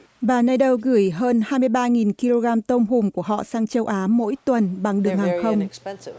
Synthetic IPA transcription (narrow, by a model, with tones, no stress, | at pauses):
vaː˨˩na˧jɗə˧wɣɨ˧˩əjɦəː˧nhaː˧jmɨ˧jɓaː˧ŋi˨˩nki˧lo˧ɣaː˧mt̪ə˧wŋ͡mɦu˨˩ŋ͡mku˧˩əɦɔ̰˧˨saː˧ŋt͡ɕə˧wʔaː˨˦mo̰˧˥jt̪wə˨˩nɓa˨˩ŋɗɨ˨˩əŋhaː˨˩ŋxə˧wŋ͡m